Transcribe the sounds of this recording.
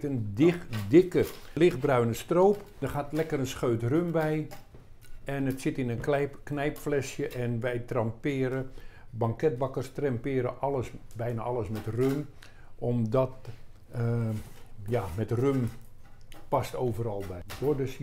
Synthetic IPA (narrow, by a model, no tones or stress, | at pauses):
əndɪdɪkəlɪx̚brœɥnəstroːp | d̥ərxaːtlɛkərənsxøːtrømbɛj | ɛnətsɪtɪnənkɛknɛjpflɛsjəʔɛnʋɛjtrɑmpɪːəɾəbɑŋkɛt̚bakərstrɛmpɪːɾəʔɑləsbɛjnaʔɑlˠəsmɛtrøm | ɔmdɔt | jamɛtrøm | pɑstoːvəɾɑlˠbɛdodøs